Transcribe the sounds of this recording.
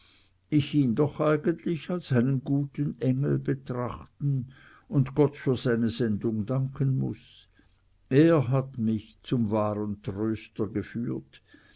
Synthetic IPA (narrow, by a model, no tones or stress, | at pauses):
ʔɪçiːndɔχʔaɪɡəntʰlɪçalsaɪnənɡuːtənʔɛŋl̩bətʁ̥aχtn̩ | ʊndɡ̥ɔtfyːɐz̥aɪnəzɛndʊŋdaŋkʰənmʊ̰s | ʔeːɐɦatmɪçt͡sʊmvaːʁəntʁ̥øːstɐɡəfyːɐt